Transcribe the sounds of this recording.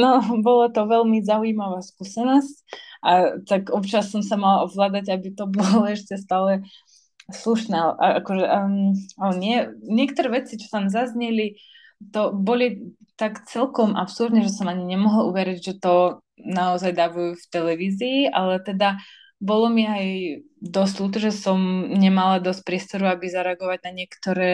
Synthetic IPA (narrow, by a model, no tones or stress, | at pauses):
nɔbɔlat̪ɔʋɛlmizauimaʋaːskusɛnɔscʔat̪akɔpt͡ʃasːɔmsamalɔɦlaːd̪aɟabit̪ɔbɔlaɛʃcɛst̪aːlɛ | sluʃnɛːaʔaakɔʒɛ | alɛɲɪɛɲɪɛkt̪ɔɾɛʋɛt͡sit͡ʃɔ̥t̪amzazɲɛli | t̪ɔbɔli | t̪akt͡sɛlkɔmʔa̰psuɾd̪ɲɛʒɛsɔmaɲiɲɛmɔɦluʋɛɾiɟʒɛt̪ɔ | naɔzajd̪aʋujuft̪ɛlɛʋiːziːʔalɛt̪ɛd̪a | bɔlɔmiaj | d̪ɔsʲluːt̪̬ɔʒɛsɔmɲɛmalad̪ɔstc̚pɾɪɛst̪ɔɾuabizaɾɛaɡɔʋaɟnaɲɪɛkt̪ɔɾɛː